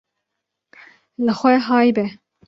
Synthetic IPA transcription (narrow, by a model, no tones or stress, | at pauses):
lɨxʷɛɦɑːjbɛ